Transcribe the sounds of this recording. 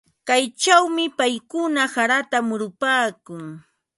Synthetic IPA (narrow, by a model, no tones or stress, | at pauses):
kajt͡ʃawmɪpajkʊnasaɾat̪amʊɾʊpaːkʊŋ